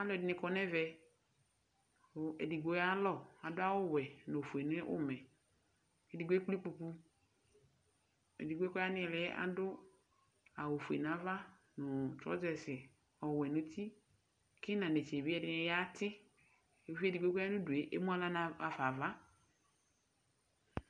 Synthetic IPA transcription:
a˦lɔ˨ɪ˨nɪ˨kɔ˨nɛ˦vɛ˨ | e˨di˨ɡo˦ja˦lɔ˨a˨dʊ˦a˦wʊ˦wɛ˨no˨fu˨e˨nʊ˦ɛ˦ʔʊ̰˦mɛ˨ | e˨dɪ˨ɡo˦k͡pli˦k͡pu˨pu˦ | ḛ˨di˨ɡʷkɔ˦ja˦nɪ˦˨lɪ˦ʔa̰˨dʊ˦ | a˨wo˨fu˨ḛ˨n˨a˨˦va˦ | nʊ˨tɔ̰˦d͡ʒɛ˨sɪ˨ | ɔ˨wɛ˨nʊ˨t̪i˦ | kɪ˦nã˨ne˨t͡ʃe˨bi˦ɛ˦dɪ˦n˦ja˦t̪ɪ˦ | e˨fi˦e˦di˨ɡʷɡo˦a˦nʊ̃˦du˨e˨ʔe˦mu˦a˦la˦na˨a˨fa˨va˦

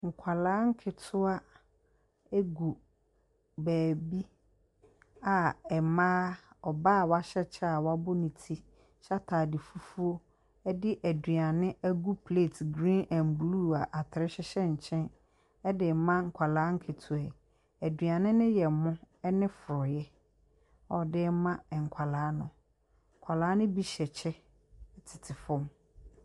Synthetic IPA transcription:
ŋ̩˨kʷʰa˨lãː˦ŋ̩˦kʰɪ˨tʰʊ˦a˦ | e˦ɡu˨ | bæː˨bi˦ | a˨ɛ˨mã˦ɔ˨baː˦˨wa˦ɕɛ˦t͡ɕʰɛ˦a˨wa˦bʊ˦nĩ˨tʰi˦ | ɕa˦tʰaː˨dɪ˨fu˦fu˦o˦ | ɛ˦dɪ˦ʔæ˨di˨a˨nɪ̃˦ʔæ˦ɡu˦pʰleː˦˨tʰɡɾĩ˦nɛ̃˨mblu˦˨a˨ʔa˨tʰɾɪ˦ɕɛ˦ɕɛ˦ɲ̩˨t͡ɕʰɛ̃˦n | ɛ˦dɪ˨mã˦ŋ̩˨kʰʷa˨laː˨˦ŋ̩˦kʰe˨tʰu˨ɛ˨ | æ˨dɥa˨nɪ̃˦nɪ̃˦jɛ˨mʊ̃˦ | ɛ˦nɪ̃˦fʊ˨ɾɔ˨jɛ˦ | ɔ˨dɪ˦mã˦˨ŋ̩˨kʷʰa˨laː˨˦nʊ̃˨ | ŋ̩˨kʷʰa˨laː˦nɪ̃˦bi˦ɕɛ˨t͡ɕʰɛ˦˨ | tʰɪ̥˨tʰɪ˨fɔ̃˦m

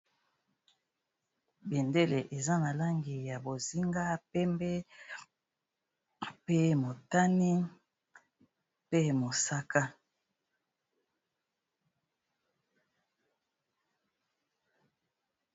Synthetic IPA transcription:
be˨nde˦le˨ʔe˨za˦na˨la˦ŋɡi˨ja˨bo˨zi˦ŋɡa˦pɛ˦mbɛ˦ | pe˦mo˨ta˦ni˦ | pe˦mo˨sa˦ka˦

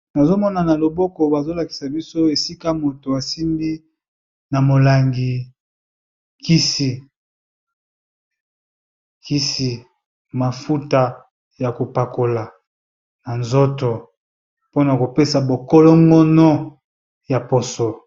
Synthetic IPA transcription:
na˨zo˦mɔ˦na˨na˨lo˨bɔ˦kɔ˨ba˨zo˦la˨ki̥˨sa˨bi˦so˦e˨si˦ka˦mo˨to˨a˨si˦ndi˦ | na˨mo˨la˨ŋɡi˨ | ki˦si˨ | ki˦si˨ | ma˨fu˦ta˨ | ja˨ko˨pa˨ko˨la˨ | na˨nzo˦to˨ | po˦na˨ko˨pe˦sa˨bo˨kɔ˦lɔ˦ŋɡɔ˦nɔ˦ | ja˨po˨sɔ˨

